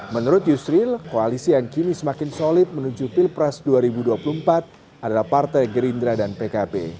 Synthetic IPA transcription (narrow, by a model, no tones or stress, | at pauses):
mənuɾʊt̪̚jusɾilkoalisijaŋkinisəmakɪnsolɪt̪̚mənud͡ʒufilpɾɛsduaɾibuduapulumpat̪̚ | adalahpart̪ajɡəɾindɾadanpekabḛ